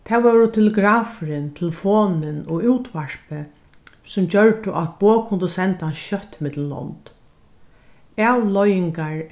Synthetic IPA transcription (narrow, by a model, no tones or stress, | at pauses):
t̪ʰɛːʋɛɾʊt̪ʰɪlɪɡɾaːfɪɾɪnt̪ʰɪlfoːnɪnɔuːwt̪ʋaɹ̥pɪ | sʊmd͡ʑœɹʈ̪ʊʔat̪̚b̥oːkʰʊnd̪ʊsɛnt̪ansʃœt̪ːɪmɪt̪llɔ̰nt̪ | ɛːwlɔjɪŋkaɹ